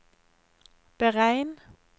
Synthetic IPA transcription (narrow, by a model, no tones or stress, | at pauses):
b̥əʁæɪn